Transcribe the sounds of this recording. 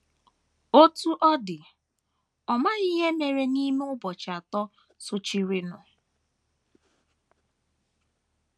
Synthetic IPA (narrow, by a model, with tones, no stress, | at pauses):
o˦tu˦ʔɔ˦dɪ˨ | ɔ˨ma˦i˦ɦe˦me˨ɾe˦ni˦me˦ʊ˦bɔ˨t͡ʃa˨tɔ˦ | sʊ˦t͡ʃi˦ɾi˦nʊ˨